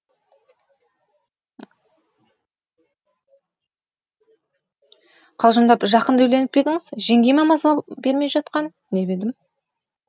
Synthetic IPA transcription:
qʰɑlˠʒəmd̪ɑpʒɑqənd̪ɵʊjle̞nɪp̚be̞d̪ɪŋɪz̥ʒe̞ŋɡʲe̞jmɑmɑzəlˠɑpbe̞ɾme̞ʒɑt̪̚qɑn | ne̞be̞d̪ɪm

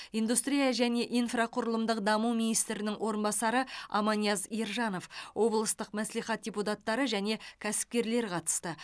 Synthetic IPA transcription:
ijnd̪ust̪ɾijɑʒæne̞ʔijnfraqʰʊɾəlˠəmd̪əqd̪ɑmuwminijst̪ɾɪnɪŋwo̞ɾənbɑsɑɾəɑ̰mɑnijɑzijɾʒɑno̞fwʔo̞blˠəst̪əqmæsliχɑt̪̚dʲeput̪at̪ːɑɾəʒæne̞kʲʰæsɪ̥p̚kʲe̞ɾle̞ɾqʰɑt̪ə̥st̪ə

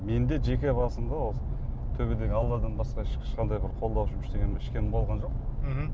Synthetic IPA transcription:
me̞nd̪e̞ʒe̞kʲebɑsəmd̪ɑwolt̪ʰɵbed̪e̞ɡʲɪɑlˠːɑɾd̪ənbɑsqɑɪ̥ʃqɑnd̪ɑjbɪɾqʰo̞lˠd̪ɑwʃəmʏʃt̪e̞ɡʲeɪʃkʲe̞nɪmbo̞lˠʁɑnʒo̞q̩

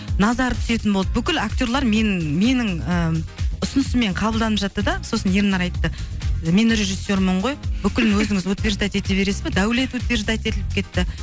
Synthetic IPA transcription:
nɑzɑɾət̪ʰʏ̥se̞t̪ɪnboɑd̪əbʏkʲɪlakt̪ʲo̞ɾlˠɑɾmenme̞nɪŋəʊsʊnəsəme̞ɴqʰɑbəlˠd̪ɑnəpʒɑt̪ːəd̪ɑso̞sənjeɾnɑɾɑjt̪ːəme̞nɾe̞ʒisːo̞ɾməɴʁo̞jbʏkʲɪlɪnwɵzɪŋɪzwot̪vʲe̞ɾʒd̪ajt̪e̞t̪e̞be̞ɾe̞sɪzbed̪æwle̞t̪wot̪vʲe̞ʒd̪ajt̪e̞t̪ɪlɪp̚kʲʰe̞t̪ːɪ

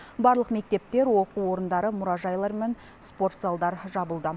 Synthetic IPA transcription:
bɑɾlˠəqme̞k̚t̪e̞p̚t̪e̞ɾwo̞quwo̞ɾənd̪ɑɾəmʊɾɑʒɑjlˠɑɾmen | spo̞rt̪salˠd̪ɑɾʒɑbəlˠd̪ə

